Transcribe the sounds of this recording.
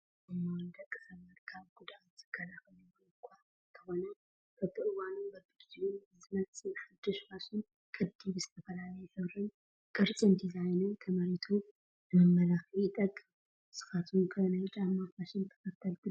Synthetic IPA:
ɨmawnd̪ɐkʼːɨ̥sɐβmɐɾkʰaβɡud̪a | zɨɡ̥ɐlaxɨliɡolɨkʷʰːa | nt̪ʰɐxo̞nɐ | kʰɐt̪ʰɨʔɨwanubɐbiɡd͡ʒ̪unzɨmɐt͡st͡sʼɨnħad̪ːɨʃfasun | kʼɨd̪ːiβzɨt̪ʰɐfɐlalɐjsɐβɾɨn | kʼɨɾt͡sʼɨnd̪izajnɐt̪ʰɐmɐɾit̪ʰo | ɨmɨmːɐlaxiɪt̪ʼɐkʼːɨm | sɨ̥xat̪ʰunkʰɐnat͡ʃʼamːafaʃɨnt̪ʰɐ̥kɐt̪ʰːɐlt̪ʰɨ

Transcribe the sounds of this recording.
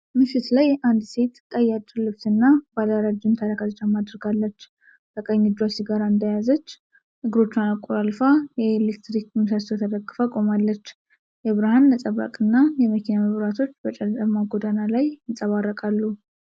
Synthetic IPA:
mɨfit̪lajand̪se̞t̪kʼəjat͡ʃ̪ʼːlɨβt̪ɨnːabalaɾad͡ʒunt̪ʰaɾakazt͡ʃːamad̪ɨɾɡalːət͡ʃː | t̪əkʼəɲːɪd͡ʒasiɡaɾaɨnd̪əjazət͡ʃː | nɨɡɨɾo̞t͡ʃːɪnakʼːoɾalfajɛelek̚t̪ɾikmɨsast̪ʰot̪ʰəd̪əɡːɨfakʼo̞malːət͡ʃː | jɛβɨɾahanːəsʼəβa̰kʼɨnːajɛməkʰinaməβɾat̪ʰo̞t͡ʃːbət͡ʃʼɛlt̪ʼəmaɡod̪analajɨnsʼəβarːəkʼalːu

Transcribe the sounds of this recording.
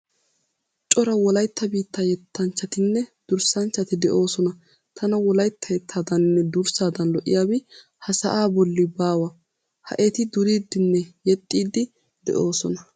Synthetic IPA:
t͡ʃʼɔɾɐwɔlɐjt̪ʰːɐbiːt̪ːaːjɛt̪ːɐnt͡ʃːɐt̪ɪnːɛd̪̥ʊɾsɐnt͡ʃːɐt̪ɪd̪ɛʔo̞ːsɔnɐ | t̪ʰɐnɐwɔlɐjt̪ːɐjɛt̪ʰːaːd̪ɐnnːɛd̪ʊɾsaːd̪ɐnlɔʔɪ̰jaːbɪ | hɐsɐ̰ʔaːbɔlːɪbaːwɐ | hɐ̰ʔet̪ɪd̪ʊɾiːd̪ɪnːɛjɛt̪ʼːiːd̪ɪ | d̪̥ɛ̰ʔo̞ːsɔnɐ

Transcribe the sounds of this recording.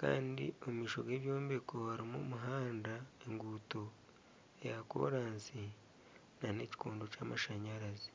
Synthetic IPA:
ka̰ːndḭo̞mumiːʃo̞ɡe̞ːβjo̞ːmbekohaɾimo̰muɦaːndae̞ŋɡuto̞ | ejako̰ːɾaːnsi | nane̞ci̥koːndo̞caːmaʃaɲaɾazi

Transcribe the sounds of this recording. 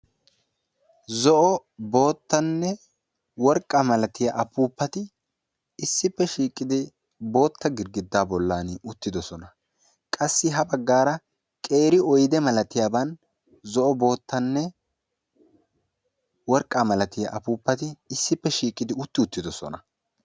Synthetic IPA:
zɔʔɔbo̞ːt̪ːɐnːɛ | wɔɾkʼːɐmɐlɐt̪ɪjɐʔɐpuːpːɐt̪ɪ | ɪsːɪpːɛʃiːkʼːɪd̪ɪ | bo̞ːt̪ːɐɡɪɾɡɪd̪ːaːbɔlːaːnʊt̪ːɪd̪ɔsɔnɐ | kʼɐsːɪɦɐbɐɡːaːɾɐ | kʼe̞ːɾɪɔjd̪ɛmɐlɐt̪ɪjaːbɐn | zɔʔɔbo̞ːt̪ːɐnːɛ | wɔɾkʼːamɐlɐt̪ɪjɐ̰ʔɐpuːpːɐt̪ɪːsːɪpːɛʃiːkʼːɪd̪ɪʊt̪ːɪʊt̪ːɪd̪ɔsɔ̰nɐ

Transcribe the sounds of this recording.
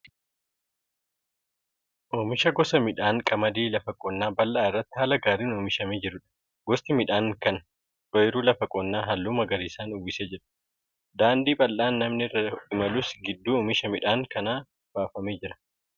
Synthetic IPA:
ʔoːmɪʃɐɡɔsɐmɪᶑaːŋkʼɐmɐd̪iːlɐfɐkʼɔnːaːbɐlːaːɪrːɐt̪ːɪ̥haːlɐɡaːɾiːnuːmɪʃɐmeːd͡ʒɪɾʊᶑɐ̥ | ɡɔst̪ɪmɪᶑaːŋkɐn | ᶑɔjɾuːlɐfɐkʼɔnːaːɦɐlːuːmɐɡɐɾiːsaːnʊwɪseːd͡ʒɪɾɐ | d̪aːnd̪iːpʼɐlːaːnːɐmnɪɪrːɐɪmɐlʊsɡɪd̪ːuːʊmɪʃɐmɪᶑaːŋkɐnaː | b̥aːfɐmeːd͡ʒɪɾɐ̥

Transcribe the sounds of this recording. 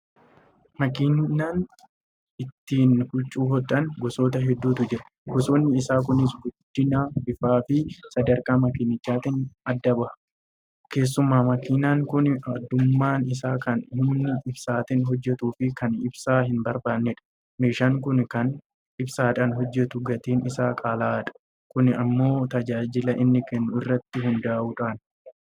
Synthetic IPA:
mɐkɪnnaːn | ɪt̪ːiːnhʊt͡ʃʼːuːɦɔᶑ̪ʼɐnɡɔso̞ːt̪ɐɦɛd̪ːuːt̪ʊd͡ʒɪɾɐ̥ | ɡɔsoːnːɪɪsaːk̬ʊnɪsɡʊd̪̥ːɪnaːbɪfaːfɪsɐd̪ɐɾkaːmɐkɪnːɪt͡ʃːaːt̪ɪnɐd̪ːɐbɐhɐ | ke̞ːs̬ːʊmːaːmɐkinaːŋkʊnɐd̪ːʊmːaːnɪs̬aːkɐnhʊmnːɪʔɪbsaːt̪ɪnɦɔd͡ʒːɛt̪uːfɪkɐnɪbsaːɦɪnbɐɾbaːnːɛᶑɐ̥ | meːʃaːŋkʊnkɐn | ɪbsaːᶑaːnɦɔd͡ʒːɛt̪ʊɡɐt̪eːnɪsaːkʼaːlaːᶑɐ̥ | kʊnɪɐmːo̞ːt̪ɐd͡ʒaːd͡ʒɪlɐʔɪnːɪkɛnːʊɪrːɐt̪ːɪɦʊnd̪aːʔuːᶑaːn

